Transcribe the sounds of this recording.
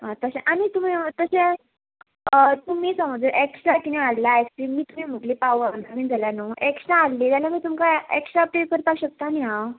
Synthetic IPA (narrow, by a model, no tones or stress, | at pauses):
ɦãt̪əɕẽʔanit̪um̤iːt̪əɕẽ | t̪um̤iːsə̃məd͡zəʔeksakinẽallaekstɾimiːt̪um̤iːm̤uʈlipaʋanamiːnd͡zʱaljanoʔeksãalːiːt̪jalamiːt̪umkaeksapʈekəɾpaɕək̚t̪aːniɦã